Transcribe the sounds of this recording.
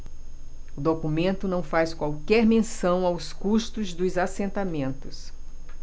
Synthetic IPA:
ʊd̪okumẽnt̪ʊnɐ̃w̃fajskwawkɛɾmẽsɐ̃w̃awskuʃt̪ʊzd̪ʊzasẽnt̪amẽnt̪ʊs

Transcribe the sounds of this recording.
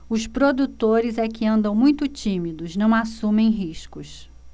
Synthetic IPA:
ʊspɾod̪ut̪oɾɪzɛkɪɐ̃nd̪ɐ̃w̃mũj̃t̪ʊt͡ʃĩmid̪ʊznɐ̃w̃asũmẽj̃ɦiʃkʊs

